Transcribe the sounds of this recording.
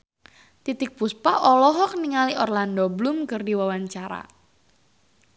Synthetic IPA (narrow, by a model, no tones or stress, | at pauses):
t̪it̪ɪk̚puspaʔɔlɔɦɔk̚niŋaliʔɔrlandɔblumkɨrdiwawaɲt͡ʃaɾa̰